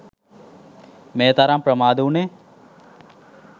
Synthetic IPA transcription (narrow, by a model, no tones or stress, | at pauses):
meːt̪aɾampɾəmaːd̪uune